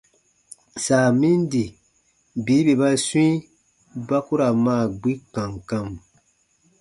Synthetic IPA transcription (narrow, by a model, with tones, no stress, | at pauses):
saː˨mĩ˦ndi˨ | biː˨˦be˨ba˦swĩ˦ | ba˦ku˦ɾa˨maː˦˨ɡ͡bi˦kã˨ŋkã˧m